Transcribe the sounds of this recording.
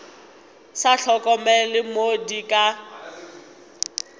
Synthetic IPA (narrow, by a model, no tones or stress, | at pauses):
saɬʰɔkʼɔmɛlɪmodikʼa